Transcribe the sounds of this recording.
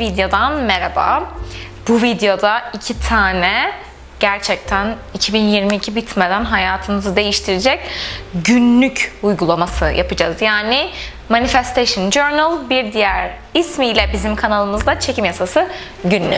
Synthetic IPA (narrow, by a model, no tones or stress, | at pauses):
vid̪jo̞d̪anmeɾaba̰ | b̥uvid̪ejo̞d̪aicʰit̪ʰaːnɛ | ɟ̥æɾt͡ʃʰɛc̚t̪ʰænicʰibinjiɾmiːcʰibit̪med̪ænɦajaːt̪ʰɯmɯzɯd̪e̞jiʃt̪ʰiɾed͡ʒɛc̚ɟynlːʲycujɡulˠamasɯja̰pɯd͡ʒa̰zjaːnɪ | manifɛst̪ʰeʃɯnd͡ʒøɾnalˠbiɾd̪ijæɾ | ismijlʲɛbizimkʰanalˠɯmɯzd̪ˠat͡ʃʰe̞cʰimjasasɯ | ɟynlʲy̰